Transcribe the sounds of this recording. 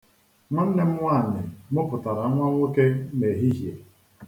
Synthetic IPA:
ŋʊ˦n̩˦ne˦m̩˦wa˦˨nɪ˨mʊ˦pʊ˨ta˨ɾa˨˦ŋʷa˦ŋʷo˦ke˦me˨ɦi˦ɦjḛ˨

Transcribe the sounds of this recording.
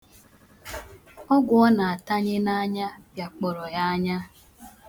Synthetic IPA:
ɔ˦ɡʊ˨ɔ˦na˨a˨ta˦ɲɪ˦na˦ɲa˦pja˨k͡pɔ˨ɾɔ˨ja˦a˦ɲa˦

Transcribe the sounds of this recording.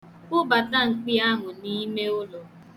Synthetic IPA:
ʊ˦ba˨ta˦ŋ̩˨k͡pi˦a˦ɦʊ˨ni˦me˦ʊ˦lɔ˨

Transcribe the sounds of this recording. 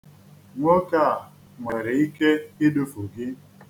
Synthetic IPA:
ŋʷo˦ka˦˨a˨ | ŋʷe˨ɾɪ˨i˦ke˦ɪ˦dʊ˦fo˨ɡɪ˦

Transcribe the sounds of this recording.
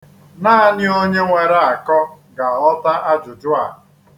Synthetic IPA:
naː˦˨nɪ˦o˦ɲe˦ŋʷe˨ɾa˦a˨kɔ˦ | ɡa˨a˨lɔ˦ta˦ʔa˦d͡ʒʊ˨d͡ʒʊ˦a˨

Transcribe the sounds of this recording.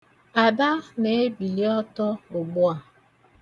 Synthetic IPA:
a˨da˦ne˨e˦bi˨li˦ɔ˦tɔ˦ʊ˨ɡ͡bʊ˦a˨

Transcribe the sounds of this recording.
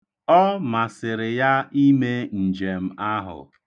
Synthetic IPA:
ɔ˦ma˨sɪ˨ɾɪ˨ja˦i˦me˦n̩˨d͡ʒe˨m̩˦a˦ɦʊ̰˨

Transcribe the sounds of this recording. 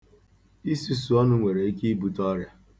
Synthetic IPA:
i˦si˦su˨ɔ˦nʊ˦ŋʷe˨ɾe˨i˦ki˦i˦bu˨tɔ˦ɾja˦

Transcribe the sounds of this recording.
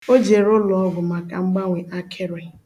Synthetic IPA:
o˦d͡ʒe˨ɾʊ˦lɔ˨ɔ˦ɡʊ˨ma˨ka˨ŋ͡m̩˦ɡ͡ba˦ŋʷe˨ʔa˦kʰe˦ɾe˨

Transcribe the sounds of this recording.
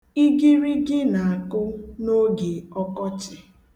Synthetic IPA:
i˦ɡi˦ɾi˦ɡɪ˦na˨a˨kʊ˦no˦ɡe˨ɔ˦kɔ˦t͡ʃɪ˨

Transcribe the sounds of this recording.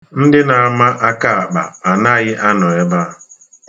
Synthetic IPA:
n̩˦dɪ˦na˨a˨ma˦ʔa˦ka˦a˨k͡pa̰˨a˨na˦˨ɣɪ˦ʔa˦nɔ˨e˦ba˦

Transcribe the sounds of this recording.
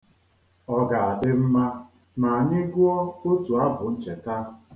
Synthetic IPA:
ɔ˦ɡa˨a˨dɪ˦m̩˦ma˦ | na˨a˨nɪ˦ɡʊ˦ɔ˦o˦tu˨a˦bʊ˨n̩˦t͡ʃe˨ta˦

